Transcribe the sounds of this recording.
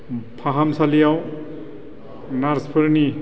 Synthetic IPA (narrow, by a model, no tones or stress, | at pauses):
pʰaɦamsalijaw | naɾspʰɯɾni